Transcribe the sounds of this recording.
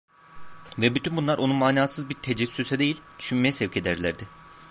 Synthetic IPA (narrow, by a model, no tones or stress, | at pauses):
vɛbyt̪ʰynbunlˠaɾʔo̞numaːnaːsɯzbiɾt̪ʰed͡ʒɛsːysɛd̪e̞jilʲd̪̥yʃynmejɛsɛvcʰe̞d̪æɾlʲæɾd̪ɪ